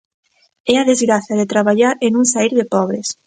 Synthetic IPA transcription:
ɛaðezɣɾaθjaðet̪ɾaβaʎaɾenũŋsaiɾðepɔβ̞ɾes

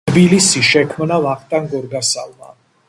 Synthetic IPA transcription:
bilisiʃɛkʰmnavaχʰt̪ʼaŋɡɔɾɡasalma̰

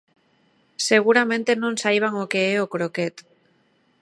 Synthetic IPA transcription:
seɣ̞uɾamẽnt̪e̞nõnsajβ̞aŋokeeokɾoket̪

